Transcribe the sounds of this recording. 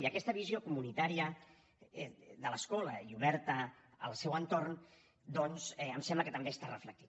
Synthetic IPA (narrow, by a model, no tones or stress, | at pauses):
iəkɛst̪əβ̞iziokumunit̪aɾiə | d̪ələskɔlə̰iuβɛɾt̪ə | ə̰lˠsɛwənt̪orn | d̪ɔnzɛəmsɛmbləkət̪əmbest̪arəflək̚t̪i